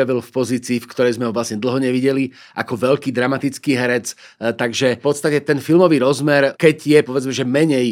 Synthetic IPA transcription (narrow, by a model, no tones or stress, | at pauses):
aʋilfpɔziːt͡siːfkt̪ɔɾɛjzmɛɦɔʋlasɲɛd̪l̩ˠɦɔɲɛʋiɟɛli | ʔa̰kɔʋɛʎkiːd̪ɾamat̪it͡skiːɦɛɾɛt͡s | t̪aɡʒɛpɔt̪st̪acɛt̪ɛnfilmɔʋiːɾɔzmɛɾkɛɟjɛpɔʋɛd͡zmɛʒɛmɛɲɛj